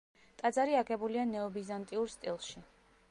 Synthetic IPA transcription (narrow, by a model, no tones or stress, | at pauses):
t̪ʼad̪zaɾiaɡɛbulianɛɔbizant̪ʼiuɾst̪ʼilˠʃi